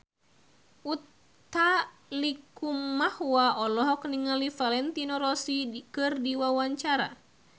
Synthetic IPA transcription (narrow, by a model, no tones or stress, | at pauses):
ut̪ | a | likummahwaɔlɔɦɔkniŋalifalɛnt̪inɔɾɔsikɨrdiwawaɲt͡ʃaɾa̰